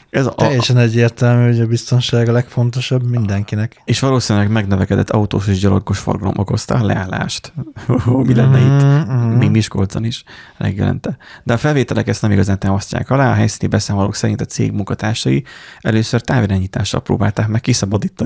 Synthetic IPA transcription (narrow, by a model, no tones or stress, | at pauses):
ɛzjɛʃɛnɛɟːeːrt̪ɛlmyːoɟɒbist̪o̞nʃaːɡɒlɛkfo̞nt̪o̞ʃɒbmind̪ɛŋkinɛkeːʃʋɒloːsinylɛɡmɛɡnɛvɛkɛd̪ɛt̪ːɒut̪oːʃeːʒɟɒlorɡoʃfo̰rɡɒlo̞̰mʔoko̞st̪ɒlɛ̰aːlːa̰ːʃt̪omilɛnːɛimimiʃkold̪zɒniʃlʔɛ̰ɡjɛ̰lɛ̰nt̪ɛd̪ɛɒfɛlveːt̪ɛlɛkɛst̪nɛmiɡɒzaːnt̪aːmɒsca̰ːkɒlaːɒɦɛjsiːnibɛsaːmolo̰ːksɛɾint̪ɒt̪sḛːɡmuŋkɒt̪aːrʃɒiɛløːsørt̪aːviɾaːɲiːt̪aːʃːɒ̰lpro̰ːbaːlt̪aːkmɛkːisɒbɒd̪iːt̪